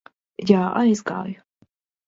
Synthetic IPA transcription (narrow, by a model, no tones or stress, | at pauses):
jaːa̰jzɡa̰ːj